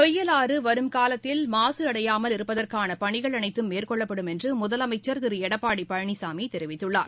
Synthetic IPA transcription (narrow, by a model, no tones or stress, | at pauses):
t̪ɔjːɐlaːrɯʋɐɾɯmkaːlɐt̪ːɪlmaːsɯɐɽɐjaːmɐlɪɾɯpːɐðɐrkaːnɐpɐɳɪɣɐɭɐnɐɪt̪ːɯmːeːrkɔɭːɐpːɐɽɯmɛndrɯmʊðɐlɐmɐɪt͡ʃːɐɾt̪ɪɾɯɛɽɐpːaːɽipɐɻɐɳisaːmiɛɾɪʋɪt̪ːɯɭːa̰ːɾ